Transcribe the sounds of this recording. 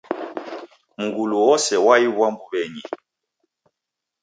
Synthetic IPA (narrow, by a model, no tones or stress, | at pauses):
ŋ̩ɡuluɔsɛwajiβwambuβɛɲi